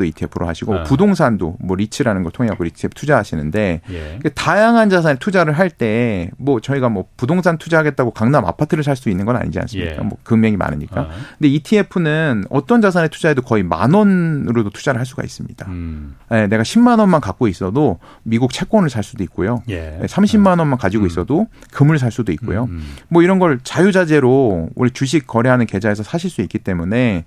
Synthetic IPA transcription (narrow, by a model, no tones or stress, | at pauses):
toitʰiepʰɯɾoɦaɕʰiɡomʌpudoŋsʰando̰mwʌɾit͡ɕʰɯɾanɯnɡʌɭtʰoŋeakoɾitʰiepʰtʰud͡ʑaɦaɕʰinɯnde̞kɯketajaŋɦand͡ʑas̬ʰanetʰud͡ʑaɾɯɭɦaɭt͈e̞mwʌt͡ɕʌiɡamwʌpudoŋsʰantʰud͡ʑaɦaɡe̞t̚t͈aɡokaŋnaama̰pʰatʰɯɾɯɭs̬ʰaɭs͈doinːɯnɡʌna̰ɲḭd͡ʑia̰ns͈ɯmɲḭkk͈a̰mwʌ̰kɯŋmjʌŋima̰nɯɲik͈akɯnde̞itʰie̞pʰɯnɯnʌt͈ʌnd͡ʑasʰanetʰud͡ʑaedokʌima̰nwʌnɾodotʰud͡ʑaɾɯɭɦaɭs͈uɡa̰ḭs͈ɯmɲid̥aje̞ne̞ɡaɕʰimːanʌnmankak͈̚ois͈ʌdo | miɡuk̚t͡ɕʰe̞k͈ʌnɯɭsʰaɭs͈udoik̚k͈ojojesʰamɕʰimːanwʌnmankad͡ʑiɡois͈ʌdokɯmɯɭs̬ʰaɭs͈udoik͈o̰jomwʌiɾʌnɡʌɭt͡ɕajud͡ʑad͡ʑe̞ɾoṵɾit͡ɕuɕ̬ʰik̚k͈ʌɾeɦanɯnke̞d͡ʑae̞sʰʌsʰaɕʰiɭs͈uik͈it͈e̞mune̞